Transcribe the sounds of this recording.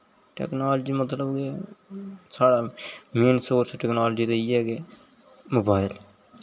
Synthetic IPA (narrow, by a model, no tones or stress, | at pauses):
ʈɛ̰ːknaːld͡ʒiːmət̪ləbke | saːɽameːnsoːɾsʈɛːknaːld͡ʒit̪eiɛːɡeː | moːbaːɪl